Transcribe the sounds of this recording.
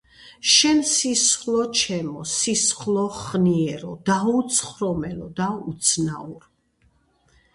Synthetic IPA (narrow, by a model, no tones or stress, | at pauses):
ʃɛnsisχlˠɔt͡ʃʰɛmɔsisχlˠɔχniɛɾɔd̪aut̪sʰχɾɔmɛlɔd̪aut̪sʰnauɾ